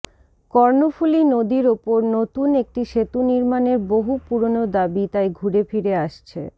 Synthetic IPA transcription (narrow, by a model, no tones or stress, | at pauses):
kɔɾnofulinod̪iɾopoɾnot̪unek̚ʈiʃet̪uniɾmaneɾboɦupuɾonod̪abit̪ajɡʱuɾefiɾeaʃt͡ɕʰḛ